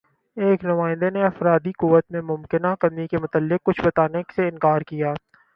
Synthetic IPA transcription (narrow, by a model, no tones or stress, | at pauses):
eːknʊmaːɪnd̪eneɐfɾaːd̪ikuːʋət̪mẽmʊmkɪnakɐmikemʊt̪əlːɪq̚ːʊt͡ʃʰbɐt̪aːneseɪ̃nkaːɾkijaː